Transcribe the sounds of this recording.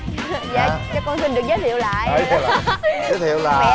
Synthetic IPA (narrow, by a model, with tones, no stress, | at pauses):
ja̰ː˨˧˨kaː˦˥kːɔ˧nsi˧nɗɨ˨˩ək̚zəː˨˦jt̪ʰḭ˧˨əwla̰ː˧˨jʔə˨˦t̪ʰːzəː˨˦t̪ʰḭ˨˧˨əwlaː˨˩